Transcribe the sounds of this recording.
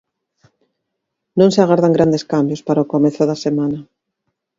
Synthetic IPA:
nõŋseɪaɣaɾðaŋɡɾand̪eskambjospaɾaokomeθʊðasemanɐ

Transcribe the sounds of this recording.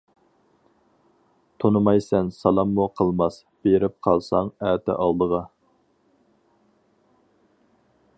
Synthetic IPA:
t̪ʰonɨmɑjsɛnsɑlˠɑmːuqʰəlˠmɑs | b̥eɾɪp̚qʰɑlˠsɑŋæːt̪ʰɛ̰ʔɑlˠd̪əʁɑ

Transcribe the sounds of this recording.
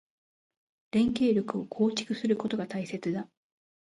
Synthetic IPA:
ɾẽ̞ŋke̞ːɾʲjokɯ̟o̞kʰo̞ːt͡ɕi̥kɯ̟sɨɾɯ̟ko̞t̪o̞ɡat̪aise̞t͡sɨd̪a

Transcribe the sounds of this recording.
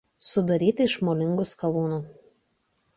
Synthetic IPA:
sʊd̪ɐɾʲiːt̪ʲɪɪʃmolʲɪŋɡʊskɐlˠuːnuː

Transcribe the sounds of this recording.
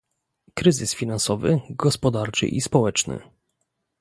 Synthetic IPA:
kɾɘzɘsfʲinansɔvɘɡɔspɔd̪aɾt͡ʂɘ̰ʔispɔwɛt͡ʂnɘ̰

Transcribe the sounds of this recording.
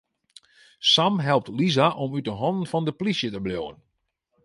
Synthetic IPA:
samɦɛlˠp̚tlizaʔɔmyt̚əɦɔndən̩fɔndəplisjətəbljowən

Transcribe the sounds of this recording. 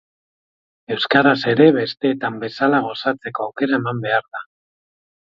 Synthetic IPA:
e̞wskaɾase̞ɾe̞βe̞st̪e̞ːt̪ambe̞salaɣ̞o̞sat͡se̞ko̞awke̞ɾae̞mambe̞aɾða

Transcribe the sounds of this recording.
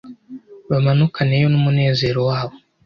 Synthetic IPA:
βamanukanejo̞numune̞ːze̞ːɾo̞waːβo

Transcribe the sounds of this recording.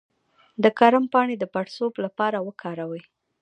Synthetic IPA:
d̪əkaɾampɑɳed̪əpaʈsoblapɑɾawəkʰɑɾawəj

